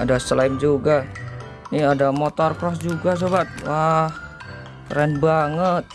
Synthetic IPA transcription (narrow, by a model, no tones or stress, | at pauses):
adaslamd͡ʒuɡa | niadamot̪ɔrpɾɔsd͡ʒuɡas̬obat̪̚wah | ɾɛnbaŋət̪̚